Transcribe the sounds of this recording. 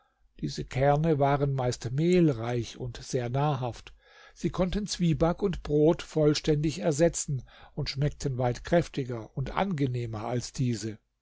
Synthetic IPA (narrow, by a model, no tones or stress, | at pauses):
d̥iːzəkʰɛɐnəvaːʁənmaɪstmeːlʁaɪçʊntz̥eːɐnaːɐɦaft | z̥iːkʰɔntənt͡sv̥iːbakʊntb̥ʁoːtfɔlʃtɛndɪçɛɐzɛt͡sn̩ʊntʃmɛk̚tʰənvaɪtkʁ̥ɛftɪɡɐʊntʔa̰nɡəneːmɐʔalsd̥iːzə